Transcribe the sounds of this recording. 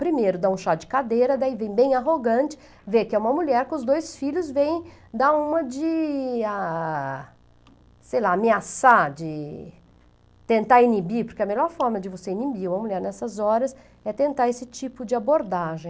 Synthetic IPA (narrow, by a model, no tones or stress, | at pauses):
pɾimejɾʊd̪aũʃad͡ʒɪ̥kad̪ejɾɐd̪aivẽj̃bẽj̃aɦoɡɐ̃t͡ʃɪ̥ | vekɪɛũmɐmuʎɛɾkɪʊzd̪ojsfiʎʊzvẽj̃d̪aũmɐd͡ʒɪa | sejlaameasad͡ʒɪ | t̪ẽnt̪aɾinibiɾpʊɾkɪɐmeʎɔɾfɔɾmɐd͡ʒɪvoseinibiũmɐmuʎɛɾnɛsɐzɔɾɐs | ɛt̪ẽnt̪aɾesɪt͡ʃipʊd͡ʒɪaboɾd̪aʒẽ